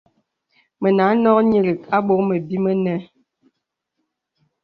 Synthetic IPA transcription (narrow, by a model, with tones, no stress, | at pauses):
mə˨na˨˦nɔ˦kɲə˦lə˨ka˦ɓo˦mə˨bi˦mə˦nɛ˦